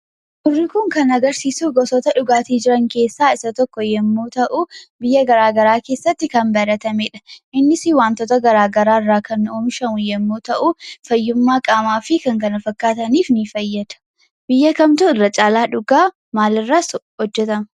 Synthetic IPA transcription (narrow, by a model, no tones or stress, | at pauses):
ʔʊrːɪkʊŋkɐnɐɡɐɾsiːsuɡɔsɔt̪ɐᶑʊɡaːt̪iːd͡ʒɪɾɐŋke̞ːsːaːɪsɐt̪ɔkːɔjɛmːoːt̪ɐʔʊbɪjːɐɡɐɾaːɡɐɾaːke̞ːsːɐt̪ːɪkɐnbɐɾɐt̪ɐmeːᶑɐ̥ʔɪnːɪsɪwaːnt̪oːt̪ɐɡɐɾaːɡɐɾaːɪrːaːkɐnːoːmɪʃɐmʊjɛmːoːt̪ɐʔʊfɐjːʊmːaːkʼaːmaːfɪkɐŋkɐnɐfɐkːaːt̪ɐniːfnifɐjːɐd̪̥ɐ̥ | b̥ɪjːɐkɐmt̪ʊɪrːɐt͡ʃʼaːlaːᶑʊɡaː | maːlɪrːaːshɔd͡ʒːɛt̪ɐm